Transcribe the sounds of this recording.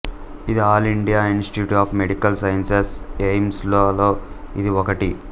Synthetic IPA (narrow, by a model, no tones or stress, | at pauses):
id̪iaːliɳɖijaːinsʈi̥ʈjuːʈaːfmeɽikɐlsɐjɐnsesejmsloːloːid̪iɔkɐʈi